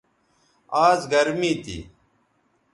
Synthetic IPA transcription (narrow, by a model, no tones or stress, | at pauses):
aːzɡɐɾmiːt̪ḭː